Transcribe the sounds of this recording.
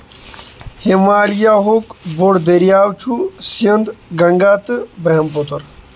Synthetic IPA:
himaːljaːɦokboɽd̪eɾjaːwt͡ʃʰusɐnd̪ɡɐŋɡaːt̪ɨbɾɐɦɐmpot̪oɾ

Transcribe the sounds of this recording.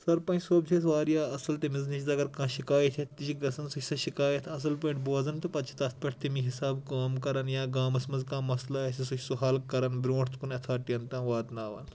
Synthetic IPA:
sɐɾpɐ̃nt͡ʃʰsoːb̚d͡ʒʰesʋaːɾijaːɐsɐlt̪emiznit͡ʃʰzɐɡɐɾkãːʃikaːjɐt̪ʰet̪ːit͡ʃʰiɡɐsɐnsut͡ʃʰʲsɐʃikaːjɐt̪ʰɐs̬ɐlpɐːɳʈboːzɐnt̪ɐpɐt̪t͡ʃʰi̥t̪ɐst̪̚pɐʈʰt̪imiɦisaːbkaːmkɐɾɐnjaːɡaːmɐsmɐnzkãːmɐslaesʲisut͡ʃʰʲsuɦɐlkːɐɾɐnbɾʲõːʈʰt̪ʰkunɐt̪ʰaːʈijɐnt̪ãːʋaːd̪naːʋɐ̰n

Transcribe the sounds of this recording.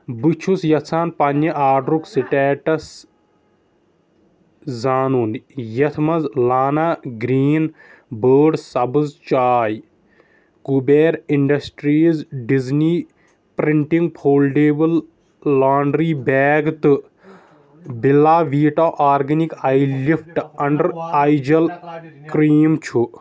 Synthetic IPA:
bɨt͡ʃʰusjɐt̪ʰt͡sʰaːnpɐnːɐʔaːɖɾuksiʈɛːʈɐs | zaːnuːnd̪ijɐt̪ʰmɐzlaːnaɡɾiːn | bəːɖsɐbɨzt͡ʃaːj | kubeːɾiɳɖɐsʈɾiːzɖizniː | pɾiɳʈiŋɡ̚pʰoːlɖeːbɐlː | aːɳɖɾiːbɛːɡt̪ɨ | bilːaːʋiːʈaːʔaːɾɡɐnikajlifʰʈɐɳɖɐɾajd͡ʒɐlkɾiːmt͡ʃʰu

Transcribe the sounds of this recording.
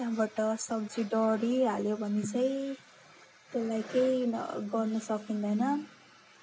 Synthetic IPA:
t̪jaɦbaʈʌsʌb̚d͡ziɖʌɾiɦaljobʱʌnet͡sʌj̃ | t̪elajkejɡʌrnʌsʌkind̪ʌjnʌ

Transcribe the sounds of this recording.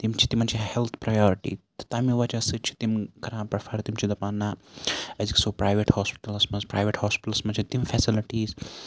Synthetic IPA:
t̪imt͡ʃʰi̥t̪imɐnt͡ʃʰihɛlt̪ʰpɾajɔːɾiʈḭːt̪ɐ̥t̪aːmiʋɐt͡ʃɐsɨt͡ʃʰi̥t̪imkɐɾãːpɾɐfɐɾt̪imt͡ʃʰid̪ɐpaːnaɐziksoːpɾaːjʋeʈhɔːspi̥ʈɐlɐsmɐnspɾaːjʋeʈhɔːspiʈɐlsmɐnt͡ʃʰit̪imfɛsiliʈiːz

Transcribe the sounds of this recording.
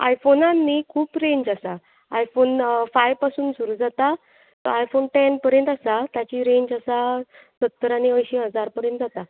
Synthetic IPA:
a̰jfonãnːikʰuːpɾeɲd͡ʑasa | ajfonfajʋpasuːnsuɾuːd͡zat̪a | t̪ɔ̰ajfonʈenpəɾjənt̪asat̪jat͡ɕiːɾeɲd͡ʑasa | sət̪ːəɾañiəjɕiɦəd͡zaɾpəɾjə̃nt̪̚d͡zat̪a

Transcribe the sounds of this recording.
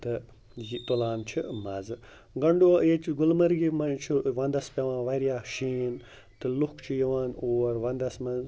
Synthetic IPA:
t̪ɨ | jit̪olaːnt͡ʃʰimɐz | ɡɐɳɖoːeːt͡ʃɡʊlmɐɾɡimɐnt͡ʃʰuʋɐ̃nd̪ɐspʲjɐʋãːnʋɐɾjaːʃiːn | t̪ɨlʊkʰt͡ʃʰijɐʋãːnoːɾʋɐ̃nd̪ɐsmɐz

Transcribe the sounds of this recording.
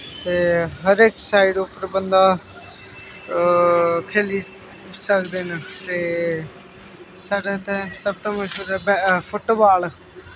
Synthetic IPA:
t̪eːɦəɾeːksaːɪɖʊpəɾbənd̪aː | kʰeːli | səkd̪eːnat̪eː | saːɖeːt̪ẽsəb̚t̪õːməd͡ʒod̪ɛbpʰʊʈobaːl

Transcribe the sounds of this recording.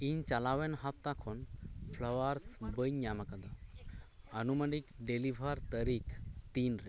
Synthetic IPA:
iɲt͡ʃalawɛnɦap̚t̪akʰɔnpʰlɔwaɾsbəɲɲamakad̪a | ənumənikɖelibʱaɾt̪əɾikt̪inɾɛ

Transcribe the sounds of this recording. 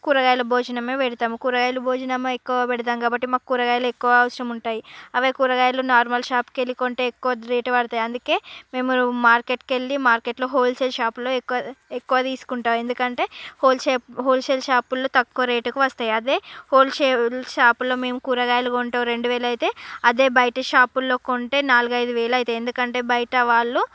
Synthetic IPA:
kuːɾɐɡaːjlɐbʱoːd͡ʒɐnɐmeːʋɛɽit̪aːmukuːɾɐɡaːjlɐbʱoːd͡ʒɐnɐmekːuʋɐpɛɽit̪aːŋɡaːbɐʈːimaːkukuːɾɐɡaːjɐlɐekːuʋɐːʋɐsɾɐmuɳʈaːjiɐʋeːkuːɾɐɡaːjloːnaːɾmɐlʃaːpkelikoːɳʈeːekːuʋɐɾeːʈɐʋɐɽɐt̪aːjɐnd̪uke̞ːme̞ːmumaːɾkeʈkelːimaːɾkeʈlo̞ːɦoːlselʃaːplo̞ːekːɐekːuʋɐt̪iːsu̥kuɳʈaːe̞nd̪ukɐɳʈe̞ːhoːlsepɦoːlʃelʃaːpulːoːt̪ɐkːuʋɐɾeːʈɐkuʋɐst̪aːjɐd̪e̞ːhoːlʃelʃaːpulːo̞ːme̞ːmukuːɾɐɡaːjluɡouɳʈɐːɾe̞ɳɖuʋeːlɐjt̪e̞ːɐd̪e̞ːbɐjɐʈɐʃaːpulːo̞ːkoɳʈe̞ːnaːluɡɐjd̪uʋeːlɐjt̪eːnd̪ukɐɳʈe̞ːbɐjɐʈɐʋaːɭːu

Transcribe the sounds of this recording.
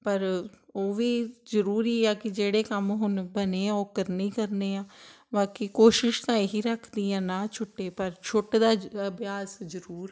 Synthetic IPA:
pəɾoːʋiːzəɾuːɾiːɛːkɪd͡ʒeːɽeːkəmɦʊnbəneːãːoːkəɾniːkəɾneːãː | baːkiːkoːʃɪʃt̪ãːeɦiːɾəkʰd̪iːãːnãːt͡ʃʰʊʈːeːpəɾt͡ʃʰʊʈd̪aːəbʱjaːszəɾuːɾ

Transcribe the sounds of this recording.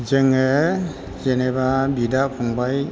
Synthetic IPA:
zeŋe | zenebabidakʰɔŋbaj

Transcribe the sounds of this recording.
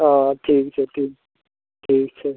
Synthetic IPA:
ɔtʰek̚t͡ʃʰɛt̪ʰek̚ | tʰeːkt͡ʃʰɛ

